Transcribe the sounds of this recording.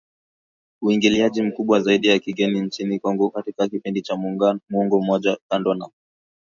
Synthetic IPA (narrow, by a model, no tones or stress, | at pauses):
uiŋɡiliaʄim̩kuɓwazaiɗijakiɡɛnint͡ʃinikwaŋɡukatikakipindit͡ʃamuuŋɡɔm̩mɔʄakandɔna